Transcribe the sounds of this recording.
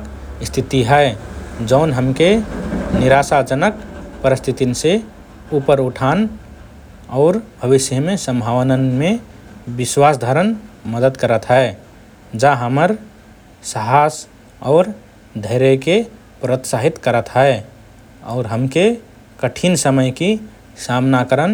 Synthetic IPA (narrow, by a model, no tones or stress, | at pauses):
k | st̪ʰit̪iɦɛed͡ʒəʊnɦəmkeniɾasad͡ʒənəkpəɾɪst̪ʰit̪inse | upəɾuʈʰaːn | ɔʊɾbʱəʋɪsjəmesə̃mbʱawnənme | bɪswasd̪ʱəɾənməd̪əd̪kəɾət̪ɦɛe | d͡ʒaɦəməɾ | səɦas | ɔːɾ | d̪ʱəɪɾeke | pɾət̪saɦit̪kəɾət̪ɦɛ | ɔ̰ːɾɦəmke | kəʈʰinsəməjki | samnakəɾən